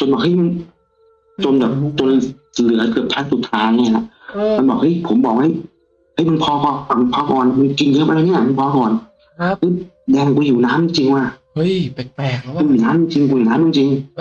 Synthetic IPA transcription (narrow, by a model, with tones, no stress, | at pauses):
t͡ɕo˧nbɔː˨˩k̚ha˥˩jma˧n | t͡ɕo˧nbɛː˨˩p̚t͡ɕo˧n | lɯ˨˩˦ɐkɯ˨˩p̚tʰaː˧˥˩su˨˩t̪ʰaː˧nnɛː˧˩˨la˧ʔma˧nbɔː˨˩k̚hɤ˦˥jpʰo˨˦mbɔː˨˩k̚ha˥˩j | ha˧˥˩jma˧npʰɔː˧kɔː˧a˨˩m˧npʰɔː˧kɔː˨˩nlma˧nki˧ŋː˧˥˨ʔa˧ɾa˧ni˥˩ɐ˨ma˧npʰɔː˧kɔː˨˩n | hɤ˦˥j | dɛː˧m˧ku˧juː˨˩naː˦˥mt͡ɕi˧ŋt͡ɕi˧ŋwaː˧˩ | kuː˧juː˨˩naː˦˥mt͡ɕi˧ŋt͡ɕi˧ŋku˧juː˨˩naː˦˥mi˧ŋt͡ɕi˧ŋ